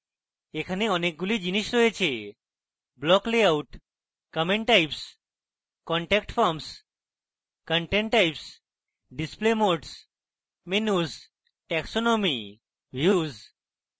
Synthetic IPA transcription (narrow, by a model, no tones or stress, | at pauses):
ekʰaneɔnek̚ɡulid͡ʑiniʃɾojet͡ɕʰe | blɔkleauʈ | kəmeɳʈʈajps | kɔɳʈɛkʈfʰɔɾms | kəɳʈeɳʈʈːajps | ɖisplemoɾʈs | menuz | ʈɛksonomi | bʱjuz